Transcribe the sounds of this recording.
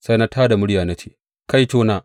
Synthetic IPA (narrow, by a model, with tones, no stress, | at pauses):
sa˦jna˦tʰaː˦da˨mʊ˦ɽjaː˨na˦t͡ʃeː˦ | ka˦jt͡ʃoː˦naː˨